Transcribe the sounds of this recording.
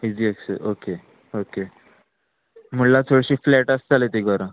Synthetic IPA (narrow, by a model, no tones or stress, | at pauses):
id͡ʑieksə̰ʔoke | oke | m̤ulat͡sʰoɽɕiːflɛʈəst͡salet̪iɡʱɔɾə̃